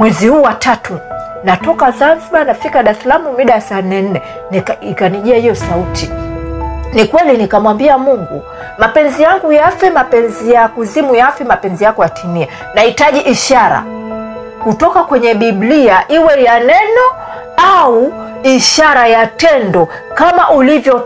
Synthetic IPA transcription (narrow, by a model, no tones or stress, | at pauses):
mwɛzihuːwatatʰu | natɔkazanziɓanafikaɗaɾɛsalamumiɗaasanːɛn̩nɛ | nikaniʄiahijɔsautʰi | nikwɛlinikamwambiamuŋɡṵ | mapɛnzijaŋɡujafɛmapɛnzijakuzimujafɛmapɛnzijakɔjatʰinia | nahitaʄiʔiʃaɾa̰ | kutɔkakwɛɲɛɓiɓliaʔiwɛjanɛnɔ | au | iʃaɾajatɛndɔ | kamaʔulivjɔ